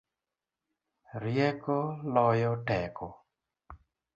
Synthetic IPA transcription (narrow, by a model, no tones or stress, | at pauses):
ɾjɛkolɔjɔtɛkɔ